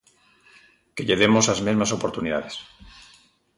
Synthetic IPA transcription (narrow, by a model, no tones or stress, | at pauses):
ke̞ʎe̞ðe̞mo̞sazme̞zmaso̞poɾt̪uniða̰ðes